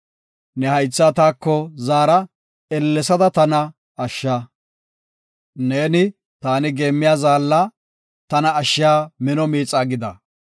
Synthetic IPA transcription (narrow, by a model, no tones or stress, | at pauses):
nɛhɐjt͡sːaːt̪aːkːɔzaːɾɐ | ɛlːɛsɐd̪ɐt̪ɐnɐ | ɐʃːa | neːnɪ | t̪aːnɪɡe̞ːmːɪjaːzaːlːɐ | t̪ɐnɐːʃːɪjaːmɪnɔmiːt͡sʼːaːɡɪd̪ɐ